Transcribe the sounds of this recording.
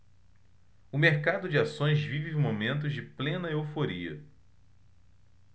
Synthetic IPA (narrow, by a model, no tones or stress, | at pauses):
ʊmeɾkad̪ʊd͡ʒɪasõj̃zvivɪmomẽnt̪̬ʊzd͡ʒɪplẽnɐeofoɾiɐ̰